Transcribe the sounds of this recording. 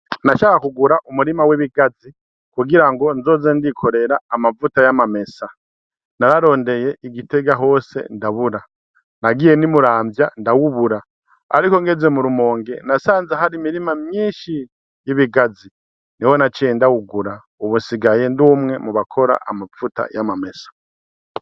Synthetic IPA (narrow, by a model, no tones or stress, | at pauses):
naʃakakuɡuɾaʔumuɾimaweβiɡazi | kuɡiɾaŋɡo̞nzo̞ːzendikʰo̞ɾe̞ɾaːmavutajamame̞sa | naɾaɾo̞ːnde̞je̞ʔiɡite̞ɡaɦo̞ːse̞̰ndaβuɾa | naɡije̞nimuɾaːmbjandawuβuɾa̰ː | ɾiko̞ŋɡe̞zemuɾumo̞ːŋɡe̞nasaːnzaɦaɾimiɾimamjiːʃi | jiβiɡazi | niwo̞nat͡ʃendawuɡuɾa | uβunsiɡaje̞nduːmŋe̞muβakʰo̞ɾa̰ʔamavuta̰jamame̞sḁ